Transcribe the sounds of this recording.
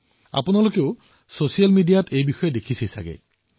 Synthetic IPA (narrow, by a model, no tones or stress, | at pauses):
a̰punalokeʊ | sosijalmidijatʰejbixɔjɔd̪ekʰisʰisa̰ɡḛ